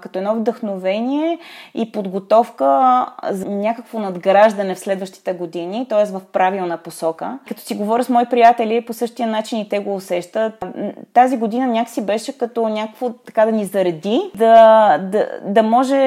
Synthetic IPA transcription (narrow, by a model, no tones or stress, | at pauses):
kɐt̪ɔɛnɔvd̪əxnovɛnʲiɛipod̪ɡot̪ɔfkəznʲakəkvonɐd̪ɡɾaʒd̪ɐnɛfslɛd̪vəʃt̪i̥t̪ɛɡod̪init̪ɔɛst̪vɐfpɾavilˠnəposɔkəkɐt̪ɔ̥siɡovɔɾʲəsmɔipɾijat̪ɛlʲiposɤʃt̪iənat͡ʃinit̪ɛɡoːsɛʃt̪ət̪t̪aziɡod̪inənʲjaksibɛʃɛkɐt̪ɔnʲakə̥kvot̪ɐkad̪ɐnizɐɾɐd̪id̪ɐd̪ɐ̰d̪ɐmɔʒɛ